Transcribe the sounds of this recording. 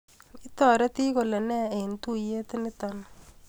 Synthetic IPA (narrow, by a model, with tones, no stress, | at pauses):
ɪ˦t̪ɔ˨ɾɛ˦t̪i˦ko˨le˨nɛ˦e˨nt̪u˦je˦t̪ɪ˦nɪ˦t̪ɔ˨n